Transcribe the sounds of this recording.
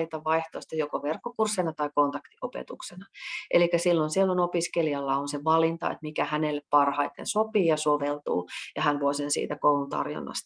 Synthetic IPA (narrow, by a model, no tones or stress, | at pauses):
lit̪ɑʋʋɑiht̪oˑist̪ɑjokoʋerkːokursːenɑt̪ɑikont̪ɑkt̪iʔopḛt̪uksenɑʔelikːæsilːonsielːonopiskeliɑlːɑonseʋɑlint̪ɑ̰ḛt̪mikæhænelːeppɑrhɑit̪ḛnsopiːjɑsoʋelt̪ṵːjɑhænʋuoisensḭːt̪ækoulunt̪ɑ̰rjo̰nːɑ̰st̪